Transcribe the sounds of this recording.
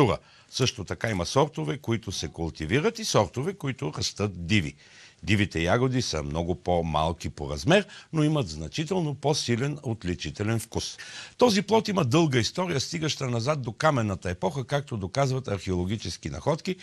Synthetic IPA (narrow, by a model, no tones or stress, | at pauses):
uɾə̰ | sɤʃt̪ot̪ɐkaimɐsɔɾt̪ovɛkoit̪ʊsɛkʊlˠt̪iviɾət̪isɔɾt̪ovɛkoit̪ʊɾɐst̪ɤt̪̚d̪ivḭ | d̪ivit̪ɛjaɡod̪isə̰mnɔɡʊpoma̰lˠk̟ipo̰ɾɐzmɛɾnoiməd̪znɐt͡ʃit̪ɛlˠnoposilɛnot̪lit͡ʃit̪ɛlɛnfkust̪ɔziplˠɔt̪imɐd̪ɤlˠɡəist̪ɔɾijəst̪iɡəʃt̪ənɐzat̪̚d̪okamɛnːət̪əɛpɔxəkak̚t̪od̪okazvət̪ɐɾxɛolˠoɡ̟ʲit͡ʃɛskinɐ̰xɔt̪ki